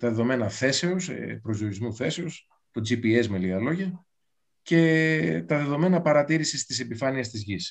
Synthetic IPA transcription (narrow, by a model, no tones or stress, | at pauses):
t̪ɐðeðo̞me̞nɐθe̞se̞ospɾo̞zjo̞ɾizmuθe̞se̞o̞s | t̪od͡zipiesmeliɐlo̞ʝɐ | ce̞t̪ɐðe̞ðo̞me̞nɐpɐɾɐt̪iɾisist̪ise̞pifɐniɐst̪izʝis